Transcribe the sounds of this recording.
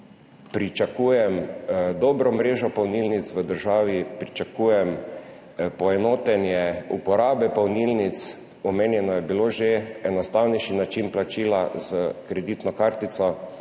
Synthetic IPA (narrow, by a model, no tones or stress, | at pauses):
pɾit͡ʃakuːjɛmd̪ɔbɾɔmɾeːʒɔpawnilnit̪sʋəd̪əɾʒaːʋipɾit͡ʃakujɛm | pɔɛnɔːt̪ɛnjɛupɔɾaːbɛpɔwnilnit̪s | ɔmeːnjɛnɔjɛbiloʒeɛnɔst̪awnɛjʃinat͡ʃinplat͡ʃiːlazəkɾɛd̪it̪nɔkaɾt̪it̪sɔ